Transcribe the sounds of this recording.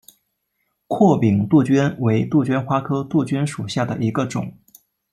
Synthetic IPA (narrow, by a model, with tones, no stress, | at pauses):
kʰwɔ˥˩pi˨˩ŋt̪u˥˩t͡ɕy˥nwe˧˥ɪt̪u˥˩t͡ɕɥɛ˥nxwa˥kʰɤ˥t̪u˥˩t͡ɕy˥nʂu˨˩ɕja˥˩d̪ə̰˩ʔi˧˥ɡə˧ʈ͡ʂʊ̰˨˩˦ŋ